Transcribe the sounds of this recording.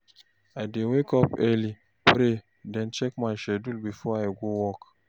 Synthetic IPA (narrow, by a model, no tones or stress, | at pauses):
ajdewekɔpɛli | pɾe | dɛ̃nt͡ʃɛk̚majʃɛdulbifɔajɡowɔk